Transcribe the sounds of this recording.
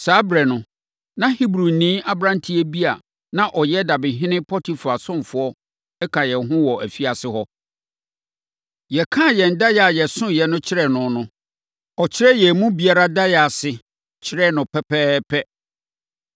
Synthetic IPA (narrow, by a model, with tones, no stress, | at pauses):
saː˦bɾɛ˨nʊ̃˨ | nã˦hi˦bɾu˨n̩˨nĩ˦a˦bɾã˦ntʰi˦ɛ˦bi˦a˨ | nã˦ʔɔ˨jɛ˦da˨bɪ̃˨ɦɪ̃˦nɪ̃˦pʰɔ˦tʰi˨fʊ˨a˨sʊ̃˦mfʊ˨˦ɔ˦ | ɛ˦kʰã˨jɛ˨ɦʊ̃˦wɔ˨ʔæ˨fi˦a˨sɪ˦hɔ˦ | jɛ˨kʰã˦˨jɛ˨n˦da˦ja˨jɛ˨sʊ̃˦jɛ˨nʊ̃˦t͡ɕʰɪ˦ɾɛ˨nʊ̃˨nʊ̃˦ | ɔ˨t͡ɕʰɪ˦ɾɛ˦jɛ˨mũ˦bi˨a˦ɾa˦da˦ja˨sɪ˨ | t͡ɕʰɪ˦ɾɛ˦˨nʊ̃˨pʰɛ˦pʰɛː˦pʰɛ˦